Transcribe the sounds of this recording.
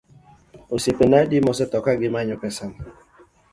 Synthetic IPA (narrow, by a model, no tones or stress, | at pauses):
osepenaedɪmɔs̬ɪtɔkaɡɪmaɲʊpɛsam̩